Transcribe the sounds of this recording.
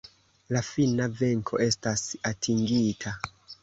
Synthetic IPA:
lafinave̞ŋkʰo̞̰ʔe̞stasatʰiŋɡitʰa

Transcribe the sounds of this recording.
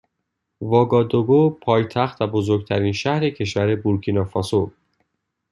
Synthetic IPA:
vɒːɡɒːd̪oɡopʰɒːjt̪ʰæxt̪væbozoɾɡt̪ʰæɾiːnʃæhɾecʰe̞ʃvæɾe̞buɾkʰinɒfɒso

